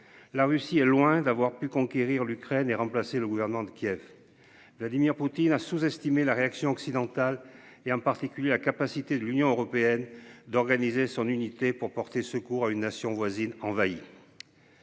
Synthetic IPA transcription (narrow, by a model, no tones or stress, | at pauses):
laʁysiɛlwɛ̃d̪avwaʁpykɔ̃kʲeʁiʁlykχɛneʁɑ̃plaseləɡuvɛʁnəmɑ̃d̪əkʲjɛv | vlad̪imiʁput̪inasuzɛst̪imelaʁeaksjɔ̃ɔksid̪ɑ̃t̪al | eɑ̃paʁt̪ikʲyljelakapasit̪ed̪əlynjɔ̃øʁɔpeɛnd̪ɔʁɡanizesɔ̃nynit̪epuʁpɔʁt̪esəkuʁaynːasjɔ̃vwazinɑ̃vai